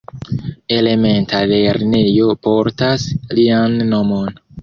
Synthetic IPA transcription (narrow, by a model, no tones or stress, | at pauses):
e̞le̞me̞ntale̞ɾne̞jo̞po̞ɾtaslianːomo̞n